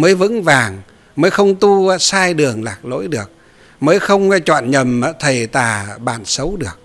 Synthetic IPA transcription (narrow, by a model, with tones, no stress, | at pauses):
məː˨˦jvɨ̰˧˥ŋvaː˨˩ŋ | məː˨˦jxə˧wŋ͡mt̪u˧saː˧jɗɨ˨˩əŋlaː˨˩k̚lo̰˧˥jɗɨ˨˩ək̚ | məː˨˦jxə˧wŋ͡mt͡ɕwɔ̰ː˧˨nɲə˨˩mː˧˦t̪ʰə˨˩jt̪aː˨˩ɓa̰ː˧˩nsə˨˦wɗɨ˨˩ək̚